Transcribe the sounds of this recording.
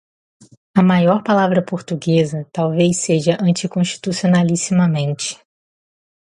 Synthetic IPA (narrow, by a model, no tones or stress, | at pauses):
ɐmajɔɾpalavɾɐpoɾt̪uɡezɐt̪awvejseʒɐʔɐ̃t͡ʃikõʃt͡ʃi̥t̪usionalisimɐmẽnt͡ʃɪ̥